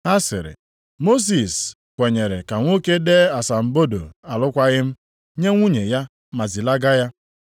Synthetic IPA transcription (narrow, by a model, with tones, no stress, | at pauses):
a˦sɪ̰˨ɾɪ̰˨ | mo˦s̬i˨s | kʷe˨ɲe˨ɾe˨ka˨ŋʷo˦ke˦de˦a˨sa˨m̩˨bo˦do̰˨a˨lʊ˦kʷa˦ɣɪ˦m̩˦ | ɲe˦ŋʷu˦ɲe˨ja˦ | ma˨zi˨la˦ɡa˦ja˦